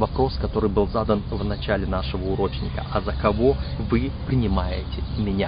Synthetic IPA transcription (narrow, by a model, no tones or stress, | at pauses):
vɐpɾo̞skɐt̪o̞ɾɨjbɨlˠzad̪ənvnɐt͡ɕælʲɪnaʂɨvəʊɾo̞t͡ɕnʲɪkə̰ʔɐzəkɐvo̞vɨpɾʲɪnʲɪmajɪtʲɪmʲɪnʲa